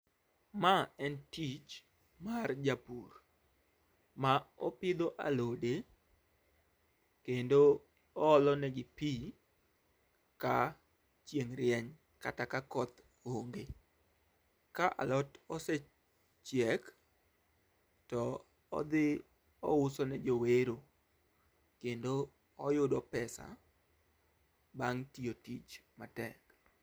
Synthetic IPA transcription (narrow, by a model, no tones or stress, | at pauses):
maɛntit͡ʃ | mard͡ʒapur | maɔpɪd̪oʔa̰lode | kendo | ɔːlɔnɛɡɪpi | ka | t͡ʃjeŋɾjɛɲ | katakakɔt̪ | oŋɡe | kaʔa̰lɔtɔsɛ | t͡ʃjɛk | tɔ | ɔ̰d̪ɪ | ɔ̰ʊsɔnɛd͡ʒoweɾo | kendo | ɔjʊdɔpɛsa̰ | baŋtiotit͡ʃmatɛk